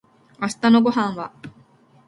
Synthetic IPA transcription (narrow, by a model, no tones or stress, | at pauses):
asɨ̥t̪ano̞ɡo̞ɦãɰ̃βa